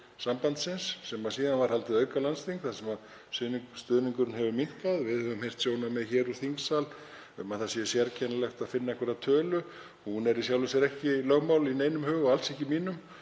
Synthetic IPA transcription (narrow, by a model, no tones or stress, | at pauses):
sampant̪sɪnsːɛmːasiːðanvaɾ̥halt̪ɪðœɥkalanst̪iŋkθaðsɛmað | st̪ʏnist̪ʏːðniŋkʏɾnɦɛvʏmin̥kaðvɪðhœvʏmhejr̥t̪sjoːwnamɛðçɛːɾuθiŋksal | ɛmaθasjɛsjɛɾcʰɛnːalɛxt̪aðfɪnːaɛhkvɛɾat̪ʰœːlʏ | hunɛɾisjawlʏsɛɾɛhcɪlœɣmawlineːjnʏmhʏːɣʏalsɛhcɪmiːnʏm